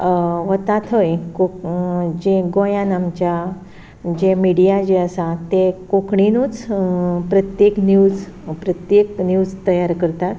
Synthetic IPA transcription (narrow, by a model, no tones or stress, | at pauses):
ʋət̪at̪ʰəjko | d͡ʑeɡojãnamt͡ɕa | d͡ʑemiɽijad͡ʑeəsat̪ekokɳinuːt͡spɾət̪jeknjuːd͡z | pɾət̪jeknjud͡zt̪əjaɾkəɾt̪at̪